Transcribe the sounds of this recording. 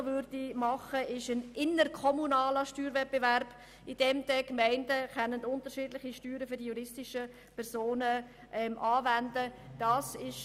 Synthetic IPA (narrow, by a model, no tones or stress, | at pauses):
vʏrd̥imɑχəʔɪʃənʔɪnərkʰɔmunaːləʃtyːɾvɛt̚b̥evæɾb̥ | id̥ɛmd̥ɛkmɛɪndəkɛnəntʊntəʃiːdlɪχiʃtyːɾəfyɾdijuɾɪstɪʃə | pʰɛɾsoːnə | ʔɛmʔɑːvændəd̥ɑːsɪʃ